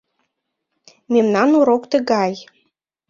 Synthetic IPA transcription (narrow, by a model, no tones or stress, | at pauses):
memnɑnuɾokt̪ə̆ɣɑj